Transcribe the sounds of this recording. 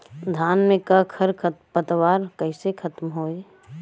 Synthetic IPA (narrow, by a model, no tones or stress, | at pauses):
d̪ʱaːnmẽkakʰəɾkʰpət̪waːɾkəɪsekʰɐt̪mɦoːe